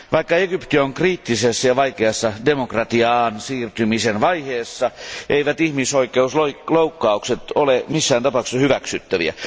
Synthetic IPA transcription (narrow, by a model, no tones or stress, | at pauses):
ʋɑikːɑeɡypt̪ioŋkriːt̪ːisesːæjɑʋɑikeɑsːɑdemokrɑt̪iɑːnsiːrt̪ymisenʋɑiheːsːɑʔeiʋæt̪ihmisoikːˑeusloiloukːɑukset̪olemisːæːnt̪ɑpɑˑukseshyʋæksyt̪ːæʋḭæ̰